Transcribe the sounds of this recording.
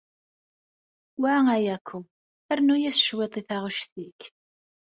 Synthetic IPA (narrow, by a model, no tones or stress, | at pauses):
wæŋæjækʷʰːu | æɾnujæsʃwet̪ˤiθaʁʊʃθik